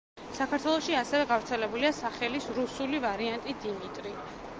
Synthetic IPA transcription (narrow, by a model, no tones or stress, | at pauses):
sakʰaɾt̪ʰwɛlˠɔʃiasɛvɛɡavɾt̪sʰɛlɛbuliasaχɛlisɾusulivaɾiant̪ʼid̪imit̪ʼɾi